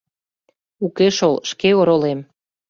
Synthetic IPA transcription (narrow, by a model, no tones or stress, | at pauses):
ukeʃolʃkeoɾolem